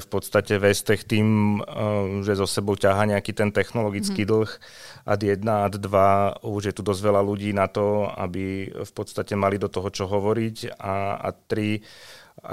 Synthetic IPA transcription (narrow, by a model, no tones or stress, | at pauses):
fpɔt̪st̪acɛʋɛst̪ɛxt̪iːm | ʒɛzɔsɛbɔʊcaɦaːɲɛakiːt̪ɛnt̪ɛxnɔlɔɡit͡skiːd̪l̩ˠx | ʔa̰d̪jɛd̪naad̪d̪ʋauʒjɛt̪ud̪ɔzʋɛlaluɟiːnat̪ɔa̰bifpɔt̪st̪acɛmalid̪ɔt̪ɔɦɔt͡ʃɔɦɔʋɔɾicaa̰t̪ːɾi | a̰